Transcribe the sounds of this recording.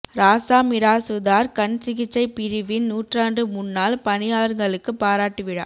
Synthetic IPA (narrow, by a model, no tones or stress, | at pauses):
ɾaːsaːmɪɾaːsʊðaːɾkɐnsɪɣɪt͡ʃːɐɪpɪɾɯʋɪnnuːʈraːndrɯmʊnːaːlpɐnɪjaːlɐɾɡɐɭɯkːɯpːaːɾaːʈːɯʋɪɽɐ̰ː